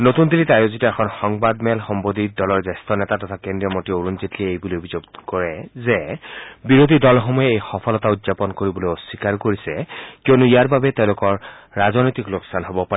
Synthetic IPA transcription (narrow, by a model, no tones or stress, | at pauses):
notund̪ilitajozitɔɛxʰɔnxɔŋbadmɛlxɔmbodidɔlɔɹzɛstɔnɛtatɔtʰakendɹiɔmotioɹunzitliejbuliobʱizoɡkɔɹɛzɛbiɹod̪ʱidɔlxɔmɔjɛejxɔpʰɔlɔtautzapɔnkoɹibɔlojɔsikaɹkoɹisɛkionuijaɹbabɛtɛʊ̃lʊkɔɹː | azɔnojtikloksanɦobɔpaɹ